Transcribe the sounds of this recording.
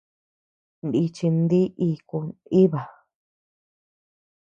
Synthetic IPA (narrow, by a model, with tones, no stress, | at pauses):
nd̪i˧t͡ʃi˧nd̪i˦ʔi˧ku˧i˦βa˨